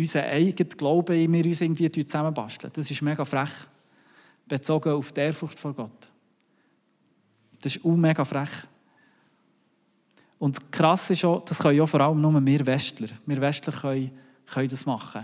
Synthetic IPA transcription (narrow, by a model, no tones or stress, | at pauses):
ysəʔɛɪɡ̥ətɡ̥lɔʊb̥əɪmɪːɾyːsɪːɡən̩tv̥iːətyːt͡sæməbɑ̰ʃtlə̰d̥ɑsɪʃmeɡ̥ɑfɾæχ | b̥et͡sɔɡəuftɛːɾfʊtfɔɾɡ̥ɔt | d̥ɑsɪʃumeɡɑfɾæχ | ʊntkχɾɑsɪʃod̥ɑsχœʏɔfɔɾɑləmnʊməmɪːɾvɛʃtləɾmɪːɾvɛʃtləɾχœj | χœjdɑsmɑχːə